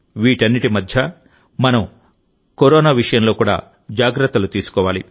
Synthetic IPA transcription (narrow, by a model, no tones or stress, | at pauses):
ʋiːʈɐnːiʈimɐd̪ʱjɐ | mɐnɐm | koɾɔːnaːʋiʂɐjɐmlo̞ːkuːɽa̰ː | d͡ʒaːɡɾɐt̪ːɐlut̪iːsu̥kɔːʋaːlḭ